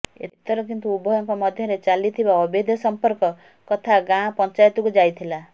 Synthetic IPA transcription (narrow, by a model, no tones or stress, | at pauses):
ḛt̪ɔɾɔkint̪uubʱɔjɔŋkɔmɔd̪ʱjɔɾet͡ʃalit̪ʰibaɔbid̪ʱɔsɔmpɔɾkɔ | kɔt̪ʰaɡãpɔnt͡ʃajt̪ukud͡ʒajt̪ʰila